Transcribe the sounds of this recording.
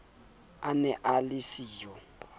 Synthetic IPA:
anɛʔalisiːjɔ

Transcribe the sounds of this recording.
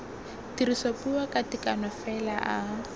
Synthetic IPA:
tiɾisopuakʼatikʼanɔfɛlaʔa

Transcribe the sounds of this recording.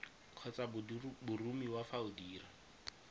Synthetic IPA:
kʰɔt͡sabbʊrumiwafaʊdiːra

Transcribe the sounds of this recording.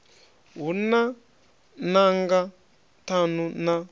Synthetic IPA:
ɦuna | naŋɡa | tʰanuna

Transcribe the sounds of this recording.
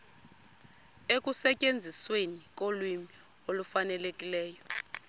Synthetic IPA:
ek̬ʼusɛcʼend͡zʱiswenik̬ʼolwimi | olufanɛlekʼilɛːjɔ

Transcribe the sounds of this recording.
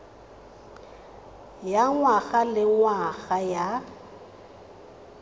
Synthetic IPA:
jaŋwaɣalɪŋwaɣaja

